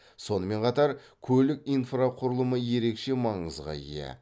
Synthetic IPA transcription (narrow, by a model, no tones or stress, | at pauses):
so̞nəme̞ɴqʰɑt̪ɑɾ | kʲʰɵlɪkʲijnfraqʰʊɾəlˠəməje̞ɾe̞kʃe̞mɑɴəzʁɑ̰ḭjḛ